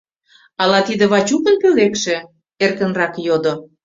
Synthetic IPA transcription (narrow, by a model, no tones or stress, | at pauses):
ɑlɑt̪id̪ə̆βɑt͡ɕukənpølekʃĕ | erkə̆nrɑkjod̪o